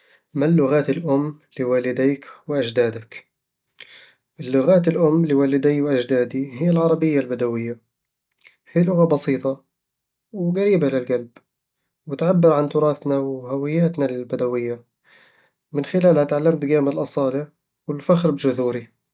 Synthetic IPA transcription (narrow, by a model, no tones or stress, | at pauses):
malːʊɣaːt̪ɪlʔʊmːlɪwaːlɪd̪iːkwʔad͡ʒd̪aːd̪ak | ʔɪlːʊɣaːt̪ɪlʔʊmːlɪwaːlɪd̪iːwʔad͡ʒd̪aːd̪ihɪjːalʕɑɾˤɑbɪjːalbad̪awɪjːa | hiːlʊɣabɑsiːt̪ˤɑ | wɡaɾiːbalɪlɡalb | wɪt̪ʕabːɪɾʕant̪ʊɾˤɑːθnawhawɪjːaːt̪nalɪbad̪awɪjːa | mɪnxɪlaːlhat̪ʕalːamt̪ɡaːmɪlʔɑsˤɑːli | wɪlfaxɾbd͡ʒʊðuːɾi